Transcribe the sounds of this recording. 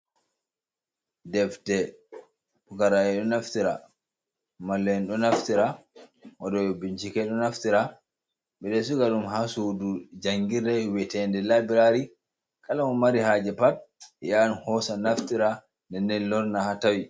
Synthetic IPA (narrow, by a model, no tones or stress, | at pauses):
dɛfdɛ | pukaɾaɛɗɔnaftiɾa̰ | malːɛɛnɗɔnaftiɾawadɔɛbint͡ʃikɛɗɔnaftiɾa | ɓɛɗɛsuɡaɗumɦasudud͡ʒaŋɡiɾɛwɛtɛndɛlabiɾaɾi | kalamɔmaɾihad͡ʒɛpat̚janhɔsanaftiɾa | ndɛndɛnlɔɾnahatawi